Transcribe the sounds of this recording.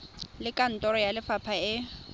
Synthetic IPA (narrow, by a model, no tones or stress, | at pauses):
lɪkʼan̩tʼɔɾɔjalɪfapʰaɪ